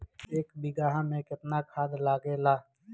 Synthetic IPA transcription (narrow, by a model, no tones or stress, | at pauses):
eːkbɪɡaːɦamẽkɪt̪nakʰaːd̪laːɡelaː